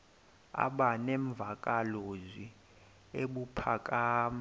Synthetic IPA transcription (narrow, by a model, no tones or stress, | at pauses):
a̰ɓanɛɱb̪vʱakʼalozwi | eɓupʰakʼaːma